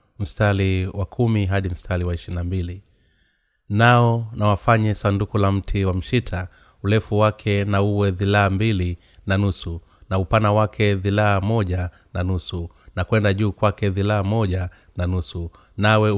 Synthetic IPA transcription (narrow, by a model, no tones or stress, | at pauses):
m̩staliwakʰumiɦaɗim̩stʰaliwaiʃinambili | naɔnawafaɲɛsandukulam̩tʰiwam̩ʃitʰa | ulɛfuwakʰɛnauwɛðilaːmbili | nanusu | naupanawakʰɛðilaːmɔʄa | nanusu | nakwɛndaʄuːkwakɛðilaːmɔʄa | nanusu | nawɛ